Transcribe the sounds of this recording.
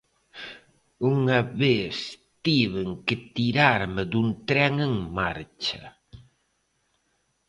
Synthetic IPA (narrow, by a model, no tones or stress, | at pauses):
uŋɐβeθ | t̪iβeŋkɪt̪iɾaɾmɪd̪unt̪ɾɛŋeŋmaɾt͡ʃɐ̰